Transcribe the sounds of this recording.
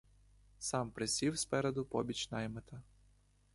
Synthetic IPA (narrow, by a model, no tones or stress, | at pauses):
sɑmpɾɪsʲiwspɛɾed̪ʊpɔbʲit͡ʃʲnɑjmet̪ɐ